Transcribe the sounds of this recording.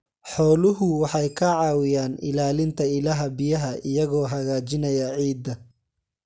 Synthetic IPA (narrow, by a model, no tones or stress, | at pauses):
ħɔːlʊɦʊwɑħɑjkʰɐʕɑːwɪjaːnɪ̰laːlɪnt̪ʰɐɪlɐɦɐbɪjɐɦɐʔɪjɐɣɔːɦɐɣaːt͡ʃɪnɐjɐʕiːd̪ɐ